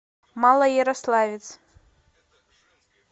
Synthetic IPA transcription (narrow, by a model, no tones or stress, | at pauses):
malˠɐjɛɾaslˠavʲɪt̪s